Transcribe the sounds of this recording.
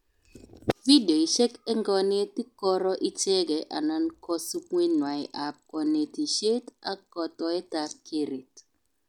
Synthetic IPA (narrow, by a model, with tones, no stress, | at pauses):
vi˦do˨i˨ʃɛ˦kɛ˦ŋɡɔ˦ne˦ti˦kɔ˦ɾɔ˦ʔi˦t͡ʃe˦ɡɛ˨ʔa̰˨nɔ˦nkɔ˦su˦kŋe˦nwa˨i˨ʔa˨p̚kɔ˨ne˨ti˨ʃe˦ta˦kɔ˨tɔ˨ɛ˦ta˨˦ki˦ɾi˨t